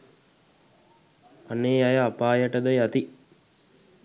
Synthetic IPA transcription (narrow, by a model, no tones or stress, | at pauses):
aneːajəapaːjəʈəd̪ajat̪i